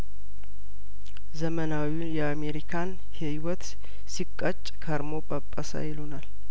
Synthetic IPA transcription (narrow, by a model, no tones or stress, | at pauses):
zəmənawiunjɛameɾikʰan | hewɔt̪ | sikʼːət͡ʃʼkʰəɾmopʼəpʼːəsa̰jɪlonal